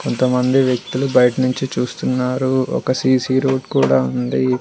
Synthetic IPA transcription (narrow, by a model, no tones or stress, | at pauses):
ko̞nt̪ɐmɐnd̪iʋjek̚t̪ulubɐjɐʈɐnuɲt͡ʃit͡ʃuːst̪unːaːɾuɔ̰kɐsiːsiɾoːʈkuːɽaːund̪i